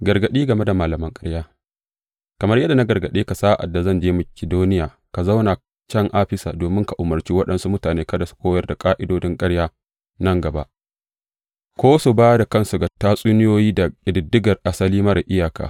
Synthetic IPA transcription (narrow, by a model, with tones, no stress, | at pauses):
ɡɐ˨rɡɐ˨ɗiː˦ɡɐ˨me˦da˨maː˨lɐ˨mɐ˦ŋkʼɐ˦ɽjaː˦ | kɐ˨mɐ˦rjɐ˦dːa˨na˦ɡɐ˨rɡɐ˨ɗeː˦ka˨saː˦ʔa̰˨dːa˨zɐ˦nd͡ʒeː˦mɐ˨kʲɪ˨doː˦nɪ˦jaː˨ | ka˨za˦wna˨ | t͡ʃɐ˦ŋʔaː˦ɸɪ˦saː˨doː˨mɪ˦ŋka˨ʔʊ˨mɐ˨rt͡ʃiː˦wɐ˦ɗɐ˦nsu˦mʊ˦taː˨neː˦kɐ˦da˨su̥˦kʷoː˦jɐ˦rda˨kʼaː˦ʔɪ˦doː˦dɪ˦ŋkʼɐ˦ɽjaː˦ | nɐ˦˨ŋɡɐ˨ba̰˦ʔ | kʷoː˦su˨baː˦da˨kɐ˦˨nsu˨ɡa˨taː˦sʼuː˦nɪ˦joː˦jiː˦da˨ɪ˨dɪ˨dːɪ˦ɡɐ˨rʔa˨sɐ˦liː˦mɐ˦ɾa˨ʔɪ˦jaː˨ka̰ː˨